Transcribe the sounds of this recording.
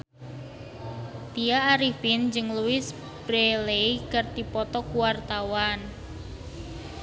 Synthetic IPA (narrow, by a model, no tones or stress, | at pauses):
t̪ijaːɾifɪnd͡ʒɨŋluɪs | b̥ɾeleikərt̪ipɔt̪ɔkuwart̪awan